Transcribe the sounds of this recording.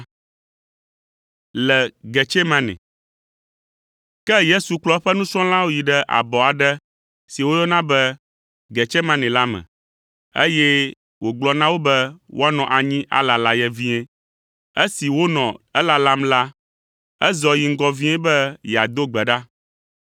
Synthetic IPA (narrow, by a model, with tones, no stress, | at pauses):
lɛ˨ɡɛ˨t͡ʃɛ˦mã˦nɛ̰̃˨ | kɛ˦je˦su˨k͡plɔ˦ɸɛ˦nũ˦sɔ̃˦lã˦wo˦ji˨ɖɛ˦ʔa̰˨bɔ˨a˨ɖɛ˦ | si˨wo˦jɔ˦nã˦bɛ˦ | ɡɛ˨t͡ʃɛ˦mã˦nɛ̃˨la˦mɛ̰̃˨ | ḛ˦jɛ˦ | wo˨ɡ͡blɔ˦nã˦wo˦bɛ˦wʔo̰˦a˦nɔ̃˨ʔa˨ɲĩ˦ʔa̰˨la˨la˨jɛ˨vi˦ɛ̃˦ | e˦si˨wo˦nɔ̃˨ɛ˦la˨la˦mla˦ | ɛ˦zɔ˨ji˨ŋ̩˦ɡɔ˦vĩ˦ɛ̃˦bɛ˦jɛ˨a˨d̪o˦ɡ͡bɛ˨ɖa˦